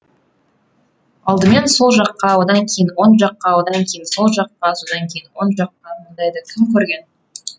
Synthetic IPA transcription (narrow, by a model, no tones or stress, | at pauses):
ɑlˠd̪əme̞nso̞lˠʒɑqːɑwod̪ɑŋkʲʰe̞jɪnwo̞nʒɑqːɑwo̞d̪ɑŋkʲʰe̞jɪnso̞lˠʒɑqːɑso̞d̪ɑŋkʲʰe̞jɪnwo̞nʒɑqːɑmond̪ɑjd̪ɑkʲʰɪmkʲʰɵɾɡʲe̞n